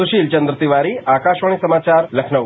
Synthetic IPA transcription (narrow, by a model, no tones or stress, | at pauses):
uɕiːlt͡ɕənd̪ɾət̪iʋaɾiːakaɕʋəɳ̃isəmat͡ɕaɾləkʰnəʋ